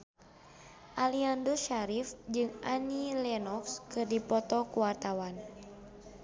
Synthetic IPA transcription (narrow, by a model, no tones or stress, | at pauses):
ʔaliandɔʃaɾifd͡ʒɨŋʔanilɛnɔkskɨrdipɔt̪ɔkuwart̪awan